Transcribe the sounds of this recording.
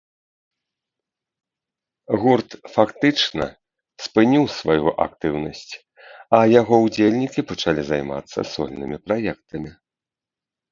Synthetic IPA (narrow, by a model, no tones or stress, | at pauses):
ɣurt̪fakt̪ɨt͡ʂnɐ̰ | spɨnʲiwsvajuʔa̰k̚t̪ɨwnɐsʲt͡sʲ | ɐjaɣɔwd͡zʲelʲnʲikʲipɐt͡ʂalʲizajma̰t̪sːɐ̰sɔ̰lʲnɨmʲipɾajɛkt̪ɐmʲi